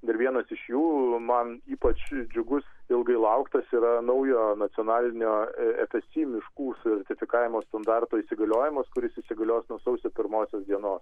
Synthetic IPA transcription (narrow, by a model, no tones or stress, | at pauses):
d̪ʲɪɾʋʲiɛnɐsɪʃjuːmɐniːpɐt͡ʃd͡ʒʲʊɡʊsɪlˠɡɐɪlˠɐʊkt̪ɐsiːɾɐnɐʊjoːnɐt̪sʲɪoːnɑːlʲɪnʲoːɛ̰pʲɛsʲt̪ʲiːmʲɪʃkuːsʲɛrʲt̪ʲɪfʲɪkɑːʋʲɪmoːst̪ɐnd̪ɑrt̪oːisʲɪɡɐlʲoːjɪmɐskʊɾʲɪsisʲɪɡɐlʲoːsnuɔsɐʊsʲoːpʲɪɾmoːsʲoːsd̪ʲiɛnoːs